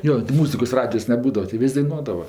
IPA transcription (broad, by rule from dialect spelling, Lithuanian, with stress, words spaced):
ˈjoː tʲɪ ˈmuːzʲɪkoːs ˈrɑːdʲɪjoːs nʲɛˈbuːdɐʋɐ tʲɪ ˈʋʲɪsʲ dɐɪˈnuɔdɐʋɐ